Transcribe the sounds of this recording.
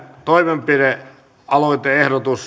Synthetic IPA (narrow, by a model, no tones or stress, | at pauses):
t̪oimempire | ɑloit̪eehɾot̪us